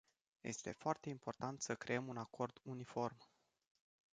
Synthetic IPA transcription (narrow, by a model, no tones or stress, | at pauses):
je̞̰st̪e̞foart̪e̞impo̞rt̪ant̪səkɾe̞əmunako̞rd̪unifo̞rm